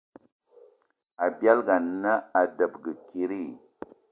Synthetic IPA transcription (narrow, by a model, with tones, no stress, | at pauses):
a˨bja˦lɡa˨n˦na˦a˨də˨bɡə˨ki˦ɾi˦˨